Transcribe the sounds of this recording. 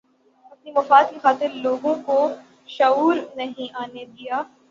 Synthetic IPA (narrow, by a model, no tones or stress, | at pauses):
ɐpnimɐfaːd̪̚kixaːt̪ɪɾloːɡõko | ʃɐuːɾnɐɦĩʔaːned̪ijaː